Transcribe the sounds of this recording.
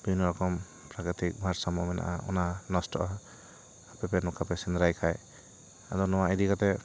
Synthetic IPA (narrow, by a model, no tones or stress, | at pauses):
binɔɾɔkɔm | pɾakɾitik̚bʱaɾsamɔmɛna̰ʔa̰ʔɔ̰nanɔstɔʔɔː | pɛpɛnɔkʰapɛsɛnd̪ɾajkʰaj | adɔnɔwaidikat̪ɛ